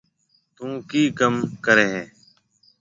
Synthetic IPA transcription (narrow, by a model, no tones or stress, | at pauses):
t̪ũːkiːkəmkəɾeːɦɛ̃ː